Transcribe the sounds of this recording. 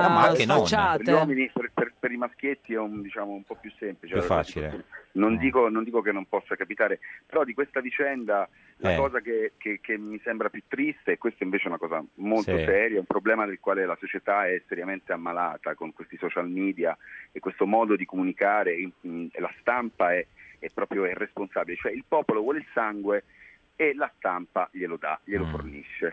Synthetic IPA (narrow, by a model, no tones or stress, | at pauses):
aa | eɾʎwɔːminiperperpeɾimask̟jet̪ːiɛumd̪it͡ʃaːmoumpɔpːjusːemplit͡ʃeasionenond̪iːkonond̪ikokenːompɔsːakapit̪aːɾepeɾɔd̪ikwest̪avit͡ʃɛnd̪a | lakɔːzakekekemːisembɾapjut̪ːɾist̪eːkwest̪ɛiɱveːt͡ʃeɛunakɔːza̰molt̪osɛːɾjoɛumpɾoblɛːmad̪elkwaːlelasot͡ʃet̪aɛseɾjament̪eamːalaːt̪akoŋkwest̪isɔt͡ʃalmiːd̪ijaekːwest̪omɔːd̪od̪ikomunikaːɾeilast̪ampaɛɛpːɾɔːpɾjoirːesponsaːbilet͡ʃoɛilpɔːpolovwɔːleilsaŋɡwe | elast̪ampaʎelod̪a̰ʎelofo̰rniʃːe